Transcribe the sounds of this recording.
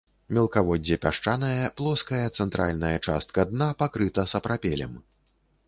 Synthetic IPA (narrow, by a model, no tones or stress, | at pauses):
mʲɛlˠkavɔd͡zʲːɛpʲaʂt͡ʂanɐjɐplˠɔskɐjɐt̪sɛnt̪ɾʔa̰lʲnɐjɐt͡ʂa̰st̪̚kɐd̪napakɾɨt̪ɐsɐpɾapʲɛlʲɛ̰m